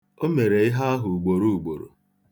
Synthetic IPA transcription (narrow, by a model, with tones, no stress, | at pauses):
o˦me˨ɾe˨ɪ˦ɦa˦a˦ɦʊ˨ɡ͡bo˨ɾu˦u˨ɡ͡bo˨ɾo̰˨